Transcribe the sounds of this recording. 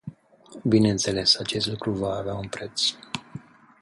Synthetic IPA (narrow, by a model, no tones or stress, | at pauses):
binent̪se̞le̞sat͡ʃe̞st̪lukɾuvaːveaunpɾe̞t̪s